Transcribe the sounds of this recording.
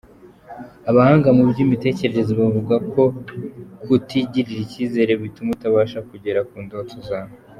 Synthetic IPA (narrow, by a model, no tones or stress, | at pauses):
aβahaːŋɡamubɟimite̞ːce̞ɾe̞ɾe̞zoβavuɡakʰo̞ | kutiɟiɾiɾiciːze̞ɾe̞βitumutaβaːʃakuɟe̞ɾakuːndotozaːna